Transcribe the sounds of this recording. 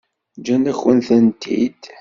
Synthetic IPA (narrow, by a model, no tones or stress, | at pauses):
d͡ʒænæçwənθənt̪ʰḭd̪̥